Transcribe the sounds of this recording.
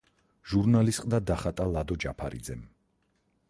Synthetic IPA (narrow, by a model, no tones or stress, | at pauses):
ʒ̥uɾnalist̪qʼd̪ad̪aχat̪ʼalˠad̪ɔd͡ʒapʰaɾḭd̪zɛm